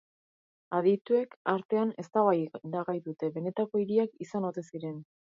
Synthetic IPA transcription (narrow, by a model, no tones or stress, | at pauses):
aðit̪ue̞kaɾt̪e̞ane̞st̪aβajɾaɣajðut̪e̞βe̞ne̞t̪ako̞iɾiakisano̞t̪e̞siɾe̞n